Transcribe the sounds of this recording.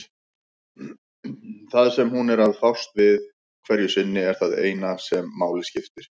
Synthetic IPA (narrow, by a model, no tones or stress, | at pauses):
θaðsɛmhunɛɾaðθawst̪vɪð | kʰvɛɾjʏsɪnːɪɛɾ̥θaðḛːjnasɛmːaːwlɪscɪft̪ɪɾ̥